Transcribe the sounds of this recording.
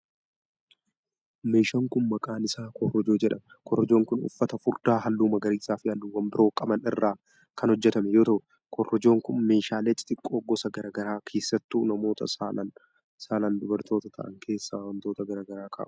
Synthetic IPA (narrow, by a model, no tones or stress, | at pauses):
me̞ːʃɐŋkʊnmɐkʼaːnɪsaːkɔrːɔd͡ʒo̞ːd͡ʒɛᶑɐmɛ | kɔrːɔd͡ʒoːŋkʊnʊ̰fːɐt̪ɐfʊɾd̪aːɦɐlːuːmɐɡɐɾiːsaːfɪhɐlːuːwɐmbɪɾo̞ːkʼɐmɐnɪrːaː | kɐnhɔd͡ʒːɛt̪ɐmɛjo̞ːt̪ɐʔʊ | kʰɔrːɔd͡ʒo̞ːŋkʊnme̞ːʃaːleːt͡ʃʼɪt̪ʼɪkʼːo̞ːɡɔsɐɡɐɾɐɡɐɾaːkʰe̞ːsːɐt̪ːuːnɐmo̞ːt̪ɐ̰salɐn | saːland̪ʊbɐɾt̪o̞ːt̪ɐt̪ʰɐ̰ʔɐ̰ŋkʰe̞ːsːaːwɐnt̪o̞ːt̪ɐɡɐɾɐːɡɐɾaːkʰa̰ːʔʊ̥